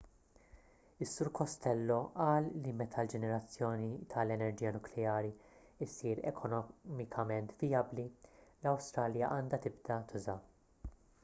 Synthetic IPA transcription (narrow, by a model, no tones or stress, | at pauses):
ɪsːʊɾkɔst̪ɛlːɔʔɐːlːimɛt̪ʰɐld͡ʒɛnɛɾɐt͡sːjɔːnit̪ʰɐlɛnɛɾd͡ʒiːjɐnʊklɛjɐːɾi | ɪsiːɾɛ̰kʰɔnɔmɪkʰɐmɛnt̪vijɐblilɐwst̪ɾɐːljɐʔɐːnd̪ɐt̪ɪb̚d̪ɐt̪ʰʊzɐ